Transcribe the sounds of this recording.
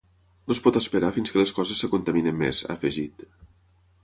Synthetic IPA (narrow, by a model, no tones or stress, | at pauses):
nospɔt̪əspəɾafinskələskɔzəsːəkunt̪əminəmːḛzə̰fəʒit̪